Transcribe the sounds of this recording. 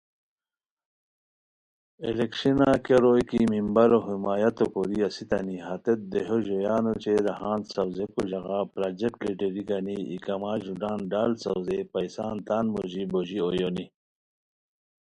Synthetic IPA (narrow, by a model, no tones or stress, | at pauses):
elekʂinakeɾojkimimbɐɾoɦimaːjɐt̪okoɾiasit̪ɐniɦat̪et̪̚d̪eɦoʑojaːnot͡ɕeɾɐɦãːnsɐwzekuʑɐɣapɾaːd͡ʑek̚ʈliʈeɾiɡaniḭkɐmaːʑuɖaːnɖaːlsɐwzepɐjsaːnt̪aːnmoʑiboʑiojoni